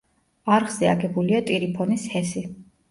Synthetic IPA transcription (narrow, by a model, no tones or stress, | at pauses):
aɾʁz̥ɛa̰ɡɛbuliat̪ʼiɾipʰɔnishɛsi